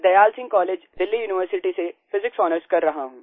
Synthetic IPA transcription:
d̪ɐjaːlsɪ̃ŋɡkɔːleːd͡ʒd̪ɪlːijuːnɪʋəɾsɪʈisefɪzɪksɔːnəɾskɐɾːɐɦaɦũː

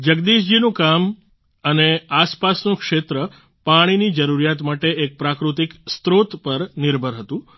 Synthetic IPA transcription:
d͡ʒəɡd̪iʃ̬d͡ʒinũkam | əneaspasnũkʃet̪ɾə | paɽ̃inid͡ʒəɾuɾijat̪maʈeek̚pɾakɾut̪ikst̪ɾot̪pəɾnɪɾbʱəɾɦət̪ũ

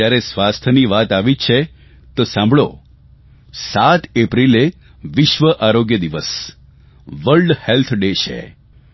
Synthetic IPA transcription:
jaɾesʋast̪ʰəniʋat̪aʋit͡ʃʰe | t̪osãmbɭo | sat̪epɾile | ʋɪʃʋəʔaɾoɡjəd̪iʋəs | ʋəlɖhelt̪ʰɖet͡ʃʰḛ

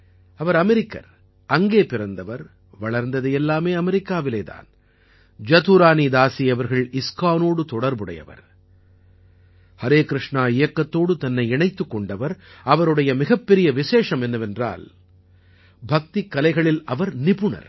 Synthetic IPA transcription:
ɐʋɐɾɐmɛɾɪkːɐ̰ɾ | ɐŋɡeːpɪɾɐnd̪ɐʋɐɾ | ʋɐɭɐɾnd̪ɐðɐjɛlːaːmeːɐmɛɾɪkːaːʋɪleːða̰ːn | d͡ʒɐt̪uɾaːnid̪aːsiɐʋɐɾɣɐɭɪskaːnoːɽɯt̪ɔɽɐɾbɯɽɐ̰jɐ̰ʋɐ̰ɾ | hɐɾeːkɾɪʂɳaːɪjɐkːɐt̪ːoːɽɯt̪ɐnːɐɪɛɳɐɪt̪ːɯkːɔɳɖɐʋɐɾɐʋɐɾɯɽɐjɐmɪɣɐpːɛɾɪjɐʋɪseːʂɐmɛnːɐʋɛndra̰ːl | bʱɐk̚t̪ikːɐlɐɪɣɐɭɪlɐʋɐɾnɪpɯɳɐ̰ɾ

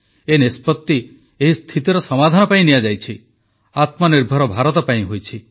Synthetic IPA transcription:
enespɔt̪ːi | eɦist̪ʰit̪iɾɔsɔmad̪ʱanɔpaĩnijad͡ʒajt͡ʃʰi | at̪mɔniɾbʱɔɾɔbʱaɾɔt̪ɔpaĩɦojt͡ʃʰi

